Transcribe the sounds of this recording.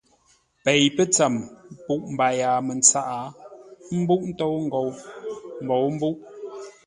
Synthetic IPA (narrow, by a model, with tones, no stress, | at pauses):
pe˨jpə˦t͡sa˨mpu˦˨ʔm̩˨ba˨jaː˨mə˨nt͡sa˦ʔa˨˦m̩˦bu˦ʔn̩˦to˦wŋ̩˦ɡo˨wm˨bo˨wm̩˦bu˦ʔ